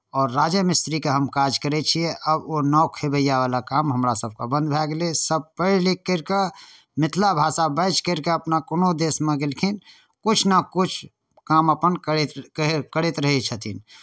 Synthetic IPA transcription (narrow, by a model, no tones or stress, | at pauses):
ɔːɾːaːd͡ʒəmɪst̪ɾikaɦəmkaːd͡ʒkəɾet͡ʃʰiɛʔəbonɔːkʰebəjaʋaːlakaːmɦəmɾasəb̚kabə̃nd̪̚bʱɛːɡlesəb̚pəɪllikːəɾka | mɪt̪ʰlabʱaːsabəɪt͡ʃkəɾkeəpnakʊnod̪eːsmẽɡelkʰin | kʊt͡ʃʰnəkʊt͡ʃʰ | kaːməpənkət̪kəɽet̪ɾəɦit͡ʃʰət̪ʰin